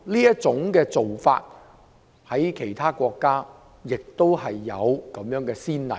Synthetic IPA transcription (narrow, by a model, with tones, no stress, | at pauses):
liː˥jɐ˥t̚t͡sʊ˨˥ŋkɛː˧t͡so˨wfa̰ː˧t̚ | hɐ˨˥jkʰe˨˩jt̪ʰaː˥kʷɔː˧kːaː˥ | jɪ˨k̚t̪o˥whɐ˨jːɐ˨˧wkɐ˨˥mjœː˨˥ŋkɛː˧siː˥nlɐ̰˨˩